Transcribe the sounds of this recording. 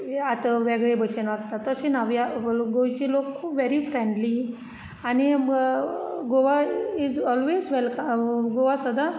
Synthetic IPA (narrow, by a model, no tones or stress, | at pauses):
at̪aʋeɡɭebʱəɕenʋakt̪at̪ːəɕinaʋjaɡoit͡ɕelokʰːuːpʋeɾifɾẽɳɖli | ani | ɡoʋaizɔlʋezʋɛlkaɡoʋasəd̪ʱa